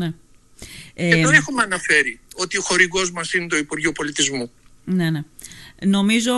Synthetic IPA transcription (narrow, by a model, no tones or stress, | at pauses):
ne | eeonexumeɐnɐfe̞ɾio̞t̪ioxo̞ɾiɣo̞zmɐsinet̪o̞ipuɾʝopo̞lit̪izmunene̞no̞mizo̞